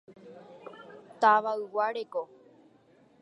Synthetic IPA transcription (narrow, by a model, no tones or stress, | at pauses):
t̪aʋaɨwaɾeko